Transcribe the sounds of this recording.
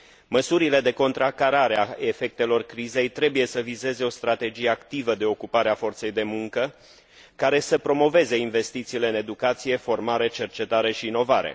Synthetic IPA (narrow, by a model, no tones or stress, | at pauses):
məsuɾile̞d̪e̞ko̞nt̪ɾakaɾaɾeae̞fe̞k̚t̪e̞lo̞rkɾize̞jt̪ɾe̞buje̞səvize̞ze̞o̞st̪ɾat̪e̞d͡ʒije̞akt̪ivəd̪e̞o̞kupaɾeafo̞rt̪se̞jd̪e̞muŋkə | kaɾe̞səpɾo̞mo̞ve̞ze̞inve̞st̪it̪siːle̞ɨne̞d̪ukat̪sije̞fo̞rmaɾe̞t͡ʃe̞rt͡ʃe̞t̪aɾe̞ʃiːno̞vaɾe̞̰